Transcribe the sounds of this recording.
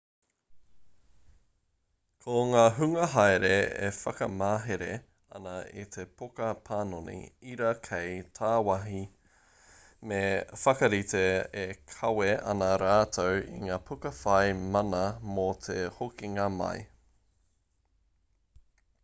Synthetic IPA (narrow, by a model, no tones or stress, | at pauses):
kʰoŋaːɦʉŋɐɦajɾeḛfɐkɐmaːɦeɾe | ɐ̰nɐḭt̪ʰepʰokɐpʰaːnonḭiɾɐkʰejtʰaːwɐɦi | mefɐkɐɾit̪eekʰɐweʔɐ̰nɐɾaːtʰowḭŋaːpʰukɐfɐjmɐnɐmot̪ʰehokiŋaːmɐ̰j